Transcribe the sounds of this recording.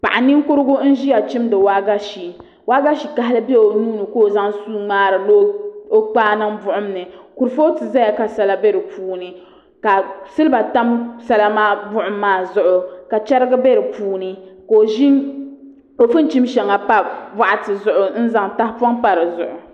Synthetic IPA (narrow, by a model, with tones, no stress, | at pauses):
pa˨ʔa˨nɪ˦ŋkʊ˦ɾɨ˦ɡʊ˦n̩˦ʒi˦ja˨t͡ʃi˦mdɨ˨waː˦ɡa˦ʃi˨ | waː˦ɡa˦ʃi˨ka˨˦ɦa˦lɨ˦bɛ˦o˨nuː˦nɨ˨ko˦˨za˦ŋsuː˦ŋ͡maː˦ɾɨ˨lo˦o˦k͡paː˦nɨ˦ŋbʊ˦ʔʊ˦m˦nɨ˨ku˨ɾfo˦tɨ˨za˦ja˨ka˨sa˨la˦bɛ˦ɾɨ˨puː˦nɨ˨ | ka˨sɨ˦lɨ˦ba˨ta˦msa˦la˦maː˦bʊ˦ʔʊ˨mːaː˦˨zʊ˦ʔʊ˨ka˨t͡ʃɛ˦ɾɨ˦ɡɨ˦bɛ˦ɾɨ˨puː˦nɨ˨koː˨ʒi˦n | o˨fɨ˦n˦t͡ʃi˦mʃɛ˨ŋa˨pa˦va˦ʔa˨tɨ˨zʊ˦˨ʔʊ˨n̩˦za˦ŋta˦hpɔ˦ŋpa˨ɾɨ˨zʊ̰˨ʔʊ˨